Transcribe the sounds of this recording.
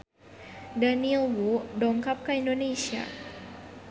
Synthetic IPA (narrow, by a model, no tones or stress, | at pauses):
danilwudɔŋkap̚kaindonesia̰